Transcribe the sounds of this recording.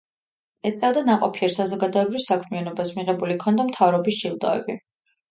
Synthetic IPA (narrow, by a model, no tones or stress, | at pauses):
ɛt̪̚ʼkʼad̪anaqʼɔpʰiɛɾsazɔɡad̪ɔɛbɾivsakʰmianɔbasmiʁɛbulikʰɔnd̪amt̪ʰavɾɔbisd͡ʒilˠd̪ʼa̰vɛ̰bi